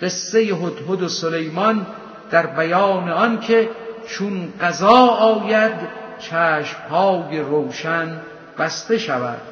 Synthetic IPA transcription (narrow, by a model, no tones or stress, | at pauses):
ɢ̥e̞sːe̞jeɦot̪hod̪osolejmɒn | d̪̥æɾbæjɒːne̞ɒnkʰe̞t͡ʃʰunɢæzɒːɒːjæd̪t͡ʃʰæːʃmhɒːje̞ɾowʃæn | bæst̪e̞ʃævæ̰d̪̥